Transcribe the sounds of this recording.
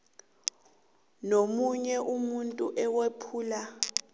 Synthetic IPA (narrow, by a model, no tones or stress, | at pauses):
nomuɲɛʔumuntʼuʔɛwepʰuːla